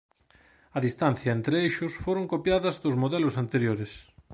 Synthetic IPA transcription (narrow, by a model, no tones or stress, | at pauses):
ɐðist̪anθjɐent̪ɾeejʃʊsfoɾoŋkopjaðɐzðozmoðɛlʊsant̪eɾjoɾɪs